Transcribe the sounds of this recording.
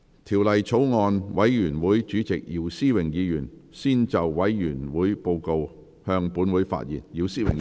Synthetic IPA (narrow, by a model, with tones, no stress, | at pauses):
t̪ʰiː˨˩wlɐ˨jt͡sʰo˨˥wŋɔː˧nwɐ˨˧˥jjyː˨˩nwuː˨˥jt͡ʃyː˨˥t͡sɪ˨k̚jiː˨˩wsiː˥˩wɪ˨˩ŋjiː˨˧jyː˨˩nsiː˥˩nt͡sɐ˨wwɐ˨˥jjyː˨˩nwuː˨˥jpo˧wko˧w | hœː˧ŋpuː˨˥nwuː˨˥jfa̰ː˧t̚jḭː˨˩njiː˨˧wsiː˥wɪ̰˨˩ŋ